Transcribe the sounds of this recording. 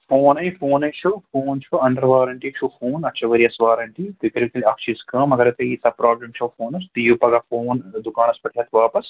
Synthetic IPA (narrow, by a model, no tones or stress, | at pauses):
foːnɐjĩfoːnɐjt͡ʃʰɐfoːnt͡ʃʰuɐɳɖɐɾʋaːɾɐɳʈit͡ʃʰufoːnɐtːt͡ʃʰɐʋɐɾiɐsʋaːɾɐɳʈit̪ikɐɾɐkilʲɐkt͡ʃʰiskɐːmɐɡɐɾɐt̪ɐisɐpɾaːblɐmt͡ʃʰɐfoːnɐst̪ijupɐɡɐfoːnd̪ukaːnɐspɐʈʰijɐt̪ʋaːpɐs